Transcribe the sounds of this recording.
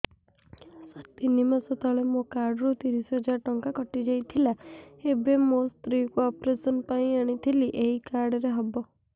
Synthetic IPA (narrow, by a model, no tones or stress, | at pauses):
sat̪inimasɔt̪ɔɭemokaɾɖɔɾut̪iɾisɔɦɔd͡ʒaɾʈɔŋkakɔʈid͡ʒajt̪ʰilaebemost̪ɾikuɔpɾesɔnpaĩaɽ̃it̪ʰiliʔeɦikaɾɖɾeɦɔbɔ